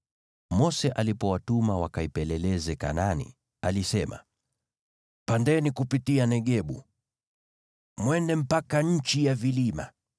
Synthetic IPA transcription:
mɔsɛʔalipɔwatumawakaipɛlɛlɛzɛka̰nanḭ | alisɛma̰ | pandɛnikupitianɛɠɛɓu | mwɛndɛm̩pakaɲ̩t͡ʃijavilima̰

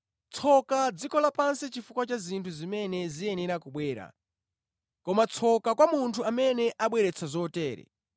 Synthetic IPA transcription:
t͡sʰɔkad͡zikɔlapansɛt͡ʃifukwat͡ʃazintʰuzimɛnɛzijɛnɛɾakuɓwɛːɾa̰ | kɔmat͡sʰɔkakwamuntʰuamɛnɛʔaɓwɛɾɛt͡sʰazɔtɛːɾɛ̰

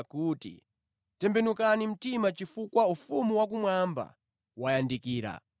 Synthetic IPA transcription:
kuːtḭ | tɛmbɛnukanim̩timat͡ʃifukwaufumuwak̬umwamba̰ | wajandikiːɾa̰

